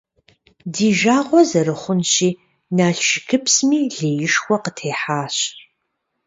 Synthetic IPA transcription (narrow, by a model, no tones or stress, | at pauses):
diːʒaːʁʷɔzɐɾɨχʷʊnɕiː | naːɬʃɪkʰɨpsmiːɮeːjɪʃxʷɔqətʰeːħaːɕ